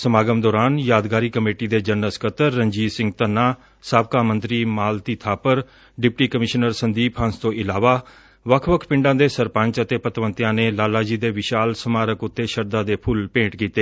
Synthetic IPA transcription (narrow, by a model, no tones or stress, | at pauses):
səmaːɡəmd̪ɔːɾaːnjaːd̪ɡaːɾiːkəmeːʈid̪eːd͡ʒənəskʰət̪əɾːəɲd͡ʒiːsɪ̃ŋɡ̚t̪ənːaː | saːb̚kaːmə̃nt̪ɾiːmaːlt̪iːt̪ʰaːpəɾ | ɖɪpʈiːkəmɪʃnəɾsənd̪iːpʰə̃nst̪õːʔɪlaːʋaː | ʋəkʰʋəkʰpɪ̃ɳɖãːd̪eːsəɾpə̃ɲt͡ʃət̪eːpət̪ʋə̃nt̪ɪjãːneːlaːlaːd͡ʒiːd̪eːʋɪʃaːlsəmaːɾəkʊt̪ːeːʃəɾd̪aːd̪eːpʰʊlpẽːʈkiːt̪eː